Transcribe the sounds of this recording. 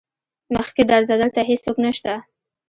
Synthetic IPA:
məx̚ked̪aɾzad̪əlt̪aɦesːoknəʃt̪a

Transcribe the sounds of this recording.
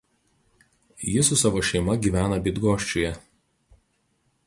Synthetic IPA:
jɪsʊsɑʋoːʃʲɛɪmɐɡʲiːʋʲæːnɐbʲɪd̪ɡoːʃʲt͡ʃʲʊjɛ

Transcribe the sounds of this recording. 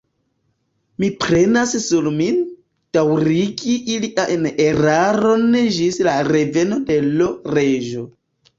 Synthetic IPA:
mipɾe̞nassuɾmi | d̥awɾiɡiʔiliʔaeneɾaɾo̞neʒislaɾe̞ve̞no̞de̞loɾe̞ʒo̞

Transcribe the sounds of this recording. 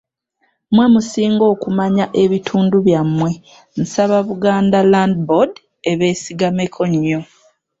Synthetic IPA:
mwe̞musiːŋɡo̞ːkumaɲaʔe̞βitʰuːnduβjamːwe̞ | n̩saβaβuɡaːndalandbod | eβe̞ːsiɡamekʰoɲːo

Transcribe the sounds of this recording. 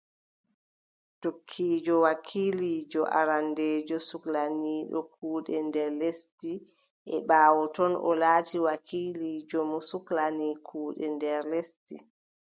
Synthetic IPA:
tokʰːiːd͡ʒɔwakʰilid͡ʒɔʔa̰ɾandeːd͡ʒɔsuklaniːɗɔ̰k̚ʰuːɗɛndɛɾlesti | ʔɛɓaːwɔtɔnʔɔ̰laːtiwakʰiːlid͡ʒɔmɔsuklanikʰuːɗɛndɛɾlesti

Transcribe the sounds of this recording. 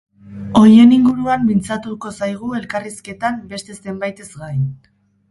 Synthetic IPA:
o̞ɾje̞niŋɡuɾuambint͡sat̪uko̞sajɣ̞ue̞lkariske̞t̪ambe̞st̪e̞se̞mbajt̪e̞zɡaj

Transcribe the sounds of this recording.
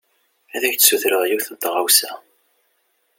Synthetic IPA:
æðæçt͡ssuθɾəðˤjuwθət̪ːʁawsæ

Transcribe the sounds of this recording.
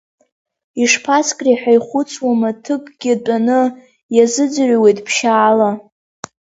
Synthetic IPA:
iʂpʰaskʼriħᶣajχʷʊt͡sʰʼwamatʰɨkʼɡ̥ʲɪt͡pʼanɨ | jazɨd͡zɨʕʷwejtʼpʰʃaːla

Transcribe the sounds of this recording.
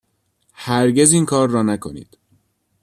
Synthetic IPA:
hæɾɟe̞ziːŋkʰɒːɾːɒːnækʰo̞nḭːd̪̥

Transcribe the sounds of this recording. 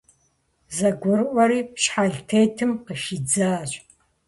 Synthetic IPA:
zɐɡʷʊrʔʷɐɾiːpɕħaɮtʰejtʰɨmqəʃid͡zaːɕʷʼ

